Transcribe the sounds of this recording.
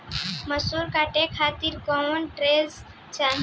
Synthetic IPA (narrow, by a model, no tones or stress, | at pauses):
məsuɾkaːʈekʰaːt̪iɾkɔnʈɾez | t͡ʃan